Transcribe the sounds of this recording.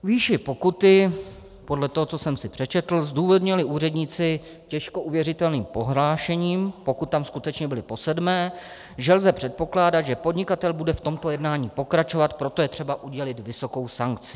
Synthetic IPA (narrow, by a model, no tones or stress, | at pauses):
viːʃɪpo̞kut̪ɪ | po̞dlɛt̪oɦot͡so̞sɛmsɪpr̝̥ɛt͡ʃɛt̪l̩zd̪uːvodɲɪlɪʔuːrɛdɲiːt͡sɪ | cɛʃko̞ʔuvjɛrɪt̪ɛlniːmpo̞ɦlaːʃɛɲiːmpo̞kut̪ːamskut̪ɛt͡ʃɲɛbɪlɪpo̞sɛdmɛː | ʒɛlzɛpr̥ɛt̪̚po̞klaːdat̪ʒɛpo̞dɲɪkat̪ɛlbudɛft̪o̞mt̪o̞jɛdnaːɲiːpo̞kɾat͡ʃo̞vat̪pɾo̞t̪ojɛt̪r̝̥ɛbaʔuɟɛlɪt̪vɪso̞ko̞wsaŋkt͡sɪ̥